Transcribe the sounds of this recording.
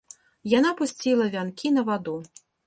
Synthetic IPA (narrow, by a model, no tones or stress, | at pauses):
janapusʲt͡sʲilˠɐvʲankʲinɐvad̪u